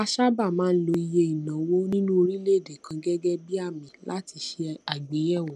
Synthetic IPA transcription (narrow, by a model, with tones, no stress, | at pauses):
a˧ʃa˦ba˦˨mãː˦n̩˦lo˧i˧je˧i˨nã˨˦wo˦nĩ˦nũ˦o˧ɾĩ˦le˦˨de˨kã˧ɡɛ˦ɡɛ˦bi˦a˦˨mĩ˨˦lʔa˦ti˧ʃe˧a˨ɡ͡be˨˦jɛ˦˨wɔ̃˨